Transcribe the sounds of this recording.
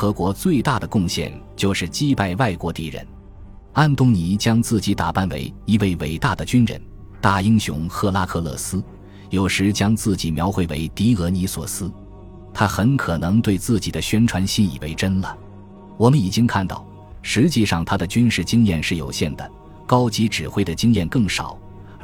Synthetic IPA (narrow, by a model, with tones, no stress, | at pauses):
xɤ˧˥kwɔ˧˥t͡swe˥˧ɪt̪a˥˩d̪ə˩kʊ˥˧ŋɕjɛ̰˥˩nt͡ɕjo˥˧ʊʂɻ̩˥˧t͡ɕi˥pa˥˧ɪwa˥˩ɪkwɔ˧˥t̪i˥˩ɻə̰˧˥n | a˥˧nt̪ʊ˥ŋni˧˥t͡ɕjɑ˥ŋt͡sɹ̩˥˩t͡ɕi˧˥t̪a˨˩pa˥˩nwḛ˧˥ɪi˧˥we˥˩ɪwe˨˩ɪt̪a˥˩d̪ə˩t͡ɕy˥nɻə̰˧˥n | t̪a˥˩i˥ŋɕjʊ̰˧˥ŋxɤ˥˧˩la˥kʰɤ˥˧lɤ̰˥˩sɹ̩˥ | jo˨˩ʊʂɻ̩˧˥t͡ɕjɑ˥ŋt͡sɹ̩˥˩t͡ɕi˨˩mjɑ˧˥ʊxwe˧˥ɪwḛ˧˥ɪt̪i˧˥ɤ˧˥ni˧˥swɔ̰˨˩sɹ̩˥ | t̪ʰa˥xə˧˥nkʰɤ˨˩nɤ˧˥ŋt̪we˥˧ɪt͡sɹ̩˥˩t͡ɕi˨˩d̪ə˦ɕɥɛ˥nʈ͡ʂʰwa˧˥nɕi˥nḭ˨˩we˧˥ɪʈ͡ʂə˥nlə˨˩ | wɔ˨˩mə˦ni˨˩t͡ɕi˥ŋkʰa˥˧nt̪ɑ̰˥˩ʊ | ʂɻ̩˧˥t͡ɕi˥˧ʂɑ˥˩ŋt̪ʰa˥d̪ə˨t͡ɕy˥nʂɻ̩˥˩t͡ɕi˥ŋjɛ˥˧nʂɻ̩˥˩jo˨˩ʊɕjɛ˥˩nd̪ə˩ | kɑ˥ʊt͡ɕi˧˥ʈ͡ʂɻ̩˨˩xwe˥˩ɪd̪ə˩t͡ɕi˥ŋjɛ˥˧nkɤ˥˩ŋʂɑ̰˨˩˦ʊ